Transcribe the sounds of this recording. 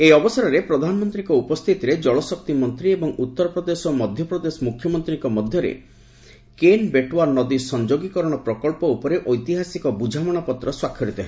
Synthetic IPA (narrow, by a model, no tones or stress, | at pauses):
ejɔbɔsaɾɔɾepɾɔd̪ʱanɔmɔnt̪ɾiŋkɔupɔst̪ʰit̪iɾed͡ʒɔɭɔsɔk̚t̪imɔnt̪ɾiebɔŋut̪ːɔɾɔpɾɔd̪esɔmɔd̪ʱjɔpɾɔd̪esɔmukʰjɔmɔnt̪ɾiŋkɔmɔd̪ʱjɔɾḛ | kenbeʈwaɾnɔd̪isɔnd͡ʒoɡikɔɾɔɽ̃ɔpɾɔkɔɭpɔupɔɾeʔɔjt̪iɦasikɔbud͡ʒʱamɔɽ̃ɔpɔt̪ɾɔswakʰːjɔɾɽit̪ɔɦẽ